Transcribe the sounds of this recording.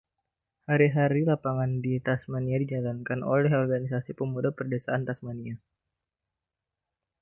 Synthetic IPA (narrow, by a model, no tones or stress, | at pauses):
haɾiɦaɾilapaŋandit̪asmaniadid͡ʒalankano̰lɛɦɔrɡanisasipəmudapərdesaant̪asmania